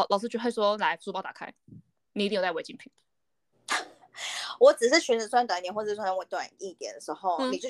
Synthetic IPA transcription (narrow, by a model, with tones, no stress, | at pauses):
lɑ˨˩ʊʂ̬̩˥t͡ɕwswɔ˥la˧˦ɪsu˥˧pɑ˥ʊt̪a̰˨˩kʰa̰˥ɪ | ni˨i˧i˥˩jt͡sa˥˩we˧˩ɪt͡ɕi˥ŋpʰi˨˩ŋ | wɔ˨˦t͡sɹ̩˨˩ʂɻ̩˥˩t͡ɕʰɛ˧˥nt͡s̩˧˥swa˥˧nt̪wa˨˥nt̪jɛ˨˦nwə˩˥wa˥˧n˧˥˧t̪wa̰˨˩ni˥˩t̪jɛ̰˨˩˦nd̪ə˩ʂɻ̩˧˥˦xo˥˧ʊ˩ni˨t͡ɕj